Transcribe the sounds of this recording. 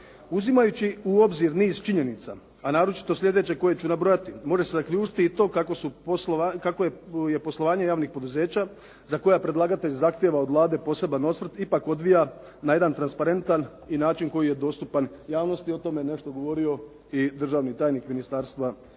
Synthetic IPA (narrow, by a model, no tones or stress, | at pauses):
uzimajut͡ɕiuo̞bziɾniːzt͡ʃiɲe̞nit̪sa̰ | anaːɾo̞t͡ʃi̥t̪o̞slʲe̞d̪e̞t͡ɕe̞ko̞je̞t͡ɕunabɾo̞jat̪imo̞ʒe̞se̞zakʎʲuːt͡ʃi̥t̪iit̪o̞kakosuposkakoeje̞po̞slˠo̞ʋaːɲe̞jaːʋnixpo̞d̪uze̞ːt͡ɕa | zako̞japɾe̞d̪lˠaːɡat̪e̞ʎzaxt̪je̞ʋaod̪ʋlˠaːd̪e̞po̞se̞bano̞t̪smr̩t̪ipako̞d̪ʋija | naje̞d̪ant̪ɾanspaɾe̞nt̪an | inaːt͡ʃinko̞jije̞d̪o̞st̪upanjaːʋno̞st̪io̞t̪o̞me̞ne̞ʃt̪o̞ɡo̞ʋo̞ɾio̞ | id̪r̩ʒaːʋnit̪aːjnikminist̪aːɾst̪ʋa